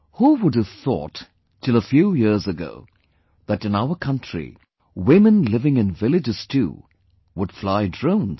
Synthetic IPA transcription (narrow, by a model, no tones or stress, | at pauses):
huwʊdɨv̥θɔ̰tʰː | ɨlˠəfjujɪɹzəɡo̰ʊ | ðɨɾɨ̃naʊə˞kʰʌ̃ntɹ̥ḭ | wɪ̃mɨ̃nlɪvɪ̃ŋɨ̃nvɪlˠɨd͡ʒɨz̥tʰṵ | wʊd̥flaɪdɹõʊ̃nz